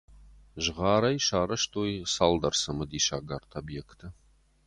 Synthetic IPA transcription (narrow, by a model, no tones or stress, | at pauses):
ʒəʁɑːɾɐjʃɑːɾɐʃt̪ʰojsalˠd̪ɐɾsəməd̪iʃaɡart̪ʰobjekt̪ʰə